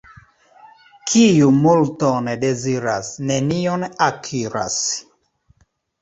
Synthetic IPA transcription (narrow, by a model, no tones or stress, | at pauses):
kʰijumult̪ɔnɛdeziɾasnenionakʰiɾa̰s